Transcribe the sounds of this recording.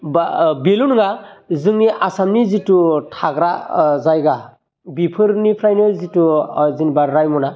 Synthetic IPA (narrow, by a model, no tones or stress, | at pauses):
babelunɯŋazɯŋiʔasamnizitutʰaɡɾazajɡa | bipʰɯɾnipʰɾajnɯlzituzinbaɾɾajmuna